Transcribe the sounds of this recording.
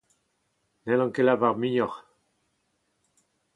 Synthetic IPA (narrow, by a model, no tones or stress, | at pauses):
nɛlɑ̃ŋkelavaʁmiɲɔʁ